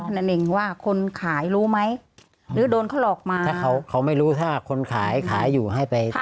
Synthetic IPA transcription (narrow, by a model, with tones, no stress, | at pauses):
a˧˩na˨˩nʔe˧ŋwaː˥˩kʰo˧nkʰaː˩˦jɾuː˦˥ma˦˥j | ɾɯː˩˦doː˧nkʰa˥˩wʔɔː˨˩k̚maː˧aː˥˩kʰa˦˥wkʰa˦˥wma˥˩jɾuː˦˥t̪ʰaː˥˩kʰo˧nkʰaː˩˦jkʰaː˩˦jːuː˨˩ɦa˥˩jpa˧j